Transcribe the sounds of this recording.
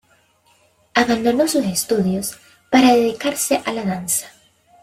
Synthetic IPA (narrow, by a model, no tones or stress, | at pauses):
aβand̪onosusest̪uðjos | paɾaðeðikaɾsɪʔalaðansɐ̥